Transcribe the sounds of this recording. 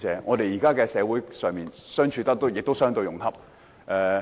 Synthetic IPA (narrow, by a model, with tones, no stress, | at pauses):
t͡sɛː˨˧ŋɔː˨˧t̪e˨jiː˨kaː˥kɛː˧sɛː˨˧wuː˨˥jsœː˨ŋmiː˨nsœː˥ŋt͡ʃʰyː˧t̪ɐ˥k̚t̪o˥wjɪ˨k̚t̪o˥wsœː˥ŋt̪o˧jʊ˨˩ŋh̪ʰɐ˥p̚ | ʔɛː˨˧